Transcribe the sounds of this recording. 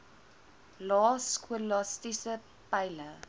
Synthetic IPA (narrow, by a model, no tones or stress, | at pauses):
lɑːskʰwəlɔstisə | pajlə